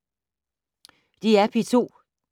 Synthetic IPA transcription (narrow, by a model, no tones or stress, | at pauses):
d̥iæpʰit͡sʰo̝̰ː